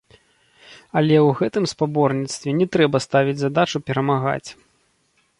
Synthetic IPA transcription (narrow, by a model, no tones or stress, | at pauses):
ɐlʲɛwɣɛt̪ɨmspabɔrnʲit̪st̪vʲɛnʲɛt̪ɾɛbɐst̪avʲid͡zʲzad̪at͡ʂupʲɛɾɐmaɣa̰t͡sʲ